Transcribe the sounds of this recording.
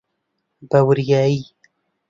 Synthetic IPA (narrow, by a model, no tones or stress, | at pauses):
bawɾjɑːi